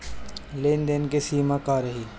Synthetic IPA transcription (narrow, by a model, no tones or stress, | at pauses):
leːnd̪enkesiːmakaːɾəɦiː